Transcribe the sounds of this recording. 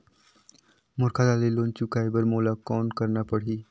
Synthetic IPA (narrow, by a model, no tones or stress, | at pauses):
mʊɾkʰad̪aːleloːnt͡ʃukaːebəɾmoːlakɔːnkəɾnapəɽ̤iː